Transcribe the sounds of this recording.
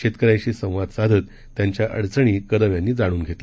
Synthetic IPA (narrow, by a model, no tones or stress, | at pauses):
ɕet̪kəɾajt͡ɕiːsə̃w̃ʋad̪sad̪ʱət̪ːjaɲt͡ɕjaʔə̰ɽt͡səɽ̃iːkəɾəʋjãnːiːd͡zaɽ̃uːnɡʱet̪l